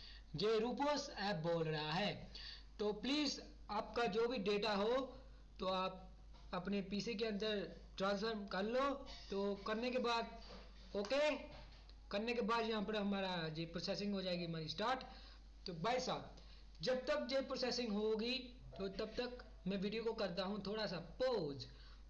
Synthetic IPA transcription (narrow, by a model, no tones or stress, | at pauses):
jeːɾuːpoːsɛːp̚boːlɾɐɦaɦɛːt̪oːpliːz | aːp̚kad͡ʒoːbʱiɖeːʈaɦo | t̪oaːp̚ | ɐpnepiːsek̬eɐ̃nd̪əɾ | ʈɾãːnsfʰəɾmkɐɾloːt̪oːkɐɾnekebaːd̪̚ | oːkeː | kɐɾnekebaːd̪jɐɦãpɐɾɦɐmaːɾad͡ʒeːpɾoːsesɪ̃ŋɡɦod͡ʒaːeɡiɦɐmaːɾisʈaːɾʈ | t̪obaːɪsaː | d͡ʒɐb̚t̪ɐk̚d͡ʒeːpɾoːseːsɪ̃ŋɡɦoɡi | t̪ot̪ɐb̚t̪ɐk | mɛ̃ːʋiːɖijokokɐɾt̪̬aɦũt̪ʰoːɽasapoːd͡ʒ